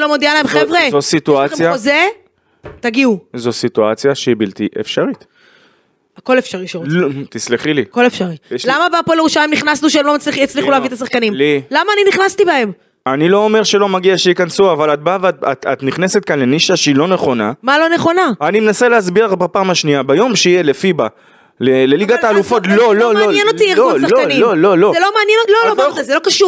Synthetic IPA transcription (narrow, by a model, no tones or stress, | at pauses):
lomod̪ialaemχevʁezosit̪uajaoze | t̪aɡiuzo̞sit̪uat͡sjaʃeibilt̪iʔḛfʃaʁit̪ | ako̞lefʃaʁiʃaʁult̪isleχiliko̞lefʃaʁilamabapoleʁuʃalajmniχnasnuʃeemlo̞mat͡sliχjat͡sliχulavit̪as̬aχkanimlilamaːniniχnast̪ibae̞m | anilo̞omeʁʃe̞lo̞maɡiaʃeikansuavalat̚bavata̰ta̰t̪niχne̞set̪̚kanle̞niʃaʃeilo̞ne̞χo̞na̰malo̞ne̞χo̞naanimenaseleazbiʁaχbapaːmhaʃniabajo̞mʃeijelefiba | leleliɡat̪aːlufo̞tlololmnjenotiesloniolo̞lozelomeːnjnololoaazelo̞kaʃuʁ